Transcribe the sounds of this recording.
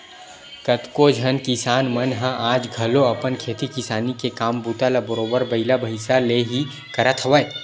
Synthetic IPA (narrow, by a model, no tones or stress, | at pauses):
kɐt̪kod͡ʒʱɐnkɪsaːnmɐnɦə̃ʔaːd͡ʒɡʱɐloɐpənkʰeːt̪ikɪsaːnikekaːmbut̪alabəɾoːʋəɾbɐɪlabʱɐɪsaleɦi | kɐɾət̪ʰʋəj